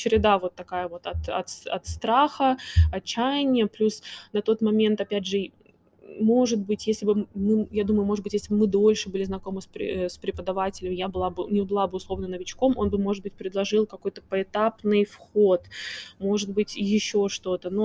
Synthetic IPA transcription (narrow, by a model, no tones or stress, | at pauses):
t͡ɕɪɾʲɪd̪avo̞t̪ːɐkajəvo̞t̪ɐt̪ɐ̰t̪ɐ̰t̪st̪ɾaxəɐt͡ɕːæjɪnʲɪjəplʲusnɐt̪o̞t̪mɐmʲe̞nt̪ɐpʲædʲʐɨ | mo̞ʐɨt̪̚bɨtʲjesʲlʲɪbɨmɨjad̪uməjʊmoʐɨd̪bɨtʲjesʲlʲɪbɨmɨd̪o̞lʲʂɨbɨlʲɪznɐko̞mɨspɾ̰ʲspɾʲɪpəd̪ɐvatʲɪlʲɪmjabɨlˠabɨnʲɪbɨlˠabɨʊslˠo̞vnənəvʲɪt͡ɕko̞mʔo̞nbɨmo̞ʐɨt̪̚bɨtʲpɾʲɪd̪lˠɐʐɨlˠkɐko̞jt̪ə̥pəɪt̪apnɨjfxo̞t̪mo̞ʐɨd̪̚bɨtʲjɪɕːo̞ʂt̪o̞t̪əno